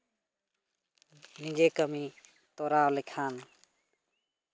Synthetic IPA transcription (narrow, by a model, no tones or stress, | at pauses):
nid͡ʒekəmi | t̪oɾaːlikʰaːn